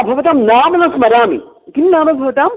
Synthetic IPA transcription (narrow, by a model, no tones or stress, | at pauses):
bʱɐʋɐt̪aːmnaːmɐnɐsmɐɾaːmḭ | kinnaːmɐbʱɐʋɐt̪aːm